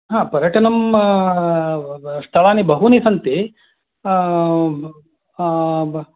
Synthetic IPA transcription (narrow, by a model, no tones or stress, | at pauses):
ɦãːpɐɾjɐʈɐnɐm | st̪ʰɐɭaːnibɐɦunisɐnt̪i